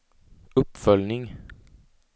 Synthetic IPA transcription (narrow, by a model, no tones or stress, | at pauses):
ɵpːfœlnɪŋ